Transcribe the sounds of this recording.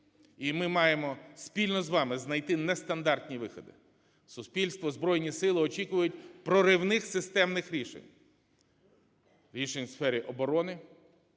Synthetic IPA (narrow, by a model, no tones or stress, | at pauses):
imɪmɑjemɔspʲilʲnɔzʋɑmɪznɐjt̪ɪnɛst̪ɐnd̪ɑrt̪ʲnʲiʋɪxɔ̰d̪ɪ̰ | sʊspʲilʲst̪ʋɔzbɾɔjnʲisɪlˠɪɔt͡ʃʲikʊʋɐjʊtʲpɾɔɾɪwnɪxsɪst̪ɛmnɪxɾʲiʃḛnʲ | ɾʲiʃenʲsfɛɾʲiʔɔbɔɾɔnɪ